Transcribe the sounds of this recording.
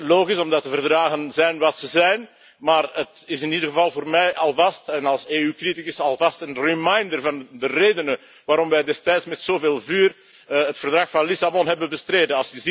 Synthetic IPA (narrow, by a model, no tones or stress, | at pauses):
loːɣisɔmdɑtəvərdraːɣənzɛjnʋɑtsəzɛjn | maːrətɪsɪnidəɣəvɑlˠvoːrmɛjʔɑlˠvɑstɛnɑlˠseːykritikɪsɑlˠvɑstənrimajndərvɑndəreːdənə | ʋaːɾɔmʋɛjdɛstɛjtsmɛtsoːveːlˠvyːr | ətfərdrɑxfɑnlɪsabɔnɦɛbənbəstreːdənɑlˠsjəzi